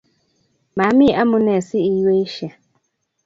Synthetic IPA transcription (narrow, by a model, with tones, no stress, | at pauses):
ma˨˦mi˦˨ʔa˦mʊ̃˦nɛ˨sɪ˦i˨je˦i˦ʃja˨